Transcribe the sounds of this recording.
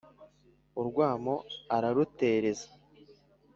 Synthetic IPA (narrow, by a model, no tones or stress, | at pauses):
uɾɡwaːmoaɾaɾute̞ːɾe̞zḁ